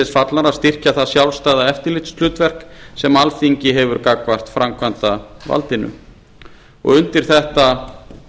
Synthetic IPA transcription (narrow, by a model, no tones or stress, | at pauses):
ɛsfat̪laɾaðst̪ɪr̥caθaðsjawlst̪ajðaɛft̪ɪɾlɪt̪slʏːt̪vɛr̥ksɛmalθiɲcɪɦɛvʏɾkakvar̥t̪fɾamkʰvant̪ava̰lt̪ɪnʏ̰ | ɔ̰ɣʏnt̪ɪɾ̥θɛht̪a